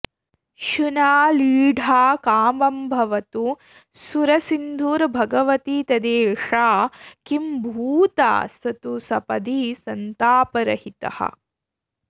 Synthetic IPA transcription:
ʃunaːliːɖʱaːkaːmbɐmbʱɐʋɐt̪u | suɾɐsind̪ʱuːɾbʱɐɡɐʋɐt̪it̪ɐd̪eːʂaːkimbʱuːt̪a̰ːsɐt̪usɐpɐd̪isɐnt̪aːpɐɾɐhit̪ɐ̰hɐ̰

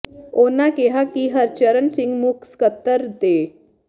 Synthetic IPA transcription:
onakeɦakiɦəɾt͡ɕəɾənsiŋɡmukskət̪ːəɾt̪e

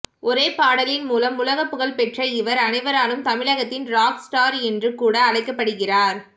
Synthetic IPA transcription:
ʔɔɾeːpaːɽɐlɪnmuːlɐmʊlɐɣɐpːɯɣɐɭpɛʈrɐɪʋɐɾɐnɐɪʋɐɾaːlɯmt̪ɐmɪɻɐɣɐt̪ːɪnɾaːksʈaːɾɛndrɯkuːɽɐːɭɐɪkːɐpːɐɽɯɣɪraːɾ

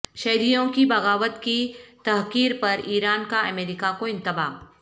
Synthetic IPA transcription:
ʃɐɦɾijõkibɐɣaːʋət̪kit̪ɐɦqiːɾpɐɾiːɾaːnkaɐmeːɾɪkakoɪ̃nt̪ɪba̰ː

